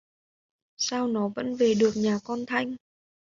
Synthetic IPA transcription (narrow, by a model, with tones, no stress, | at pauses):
saː˧wnɔ˨˦və̰˧˥nve˨˩ɗɨ˨˩ək̚ɲaː˨˩kɔ˧nt̪ʰa˧jŋ̟